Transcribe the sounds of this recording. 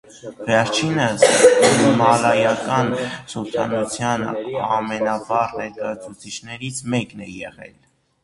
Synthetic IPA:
vɛɾt͡ʃʰinə | mɑlɑjɑkɑnsɔpʰɑ̰nut͡sʰjɑnɑmɛnɑvɑʁnɛɾkɑjɑt͡sʰut͡sʰit͡ʃʰnɛɾit͡sʰmɛknɛjɛʁɛ̰l

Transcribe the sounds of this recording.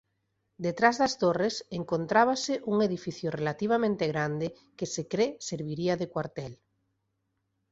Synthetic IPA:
d̪et̪ɾazðast̪oreseŋkont̪ɾaβ̞aseʔuŋeðifiθjorelat̪iβ̞amẽnt̪eɣɾand̪e | kesekɾeseɾβ̞iɾiaðekwaɾt̪ɛl

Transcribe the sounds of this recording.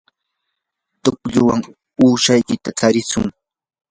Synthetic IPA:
t̪ʊkʎʊwaŋ | uːʃajkɪt̪at͡saɾɪsʊŋ

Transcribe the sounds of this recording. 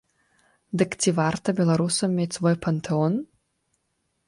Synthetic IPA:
d̪ɨkt̪ʰʲivart̪ʰɐbʲelˠɐɾusɔmːʲejt̪svojpʰɐnt̪ʰɨon

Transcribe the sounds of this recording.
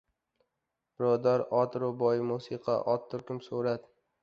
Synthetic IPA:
b̥ɪɾɒd̪aɾɒt̪ɾʊbɒjmusiqʰɑ̰ʔɒt̪ʰːʊɾkʲʊmsoɾad̪

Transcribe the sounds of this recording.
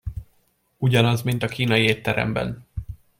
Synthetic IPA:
uɟɒnɒzmint̪ɒkiːnɒjieːt̪ːɛɾɛ̰mbɛ̰n

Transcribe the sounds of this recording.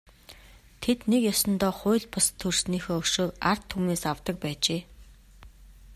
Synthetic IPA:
t̪ʰet̪nekjɔsɞ̆nt̪ɔːχʊːɮʲpɔst̪ʰɵrsniːxoːɵʃoːkar̥t̪ʰːumneːsawt̪ə̆k̚pæːt͡ɕeː

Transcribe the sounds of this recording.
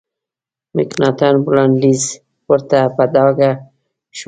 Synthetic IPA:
miknat̪anbulanliz | pʊɾt̪apad̪ɑɡa | ʃ

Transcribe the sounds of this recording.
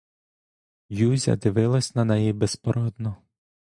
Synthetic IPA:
juzʲɐ̰d̪ɪʋɪlˠɐsʲnɐnɛjibespɔɾɔd̪nɔ

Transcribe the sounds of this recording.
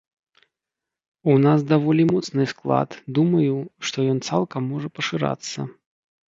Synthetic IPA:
unasd̪avɔlʲimɔt̪snɨsklˠa̰t̪d̪umɐjuʂt̪ɔjɔnt̪salˠkɐmːɔʐɐpɐʂɨɾa̰t̪sːɐ̰

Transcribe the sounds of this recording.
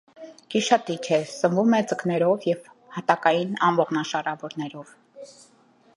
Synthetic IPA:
kiʃɑt̪it͡ʃʰɛsəmvumɛt͡səknɛɾɔvjɛv | hɑt̪ɑkɑjinɑmvɔʁnɑʃɑɾɑvɔɾnɛɾɔv

